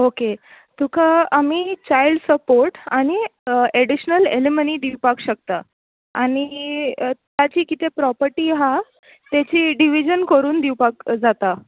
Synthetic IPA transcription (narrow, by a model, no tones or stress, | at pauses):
oke | t̪ukʰaamiːt͡ɕajlɖsəpoɾʈaɽ̃ieɽiɕnəleleməniːd̪iwpakɕək̚t̪a | aɽ̃i | t̪jat͡ɕiːkit̪ʰepɾɔpəɾʈiɦa | t̪jat͡ɕiːɖiʋid͡ʑənkəɾuːnd̪iwpakd͡zat̪a